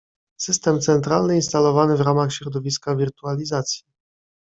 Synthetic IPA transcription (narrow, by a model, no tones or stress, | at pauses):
sɘst̪ɛmt̪sɛnt̪ɾalnɘinst̪alɔvanɘvɾamaxɕɾɔd̪ɔvʲiskavʲiɾt̪ualʲizat̪sʲji